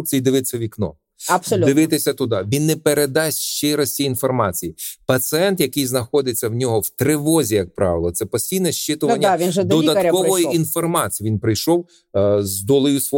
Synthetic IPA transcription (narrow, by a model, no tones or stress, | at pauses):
k̚t͡sʲijd̪ɪʋɪt͡sʲːɐʋʲiknɔ̰ | ɐbsɔlʲd̪ɪʋɪt̪ɪsʲɐt̪ʊd̪ɑʋʲinːɛpeɾed̪ɑsʲʃt͡ʃɪɾɔsʲtʲiːnfɔrmɑt͡sʲijipɐsɪɛnt̪jɐkɪjznɐxɔd̪ɪt͡sʲːɐwnʲɔɦɔwt̪ɾɪʋɔzʲijɐk̚pɾɑ̰ʋelˠɔt̪sɛpɔsʲtʲijnɛʃt͡ʃɪt̪ʊʋɐnʲːɐʋʲinʒɛd̪ɔd̪ɐkɔʋɔjiinfɔrmɑt͡sʲijʋʲinpɾɪjʃɔw | zd̪ɔlˠɔjusʋɔ